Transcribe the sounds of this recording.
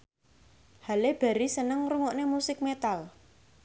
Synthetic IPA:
haleb̥ä̤ɾisənəŋruŋoʔnemusɪk̚met̪al

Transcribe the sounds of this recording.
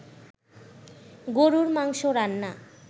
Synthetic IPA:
ɡoɾuɾmaŋʃoɾanːa

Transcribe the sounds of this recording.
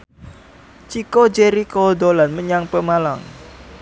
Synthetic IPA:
t͡ʃikod͡ʒeɾikod̪olanməɲaŋpəmalaŋ

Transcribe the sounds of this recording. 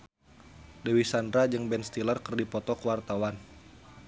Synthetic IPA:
dewisandɾad͡ʒɨŋbɛnst̪ilarkərdipɔt̪ɔkəwart̪awan

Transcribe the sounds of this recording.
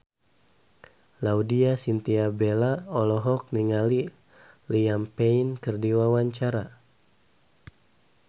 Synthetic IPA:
laudiasint̪iabelaɔlɔɦɔk̚niŋali | liampeinkərdiwawaɲt͡ʃaɾa

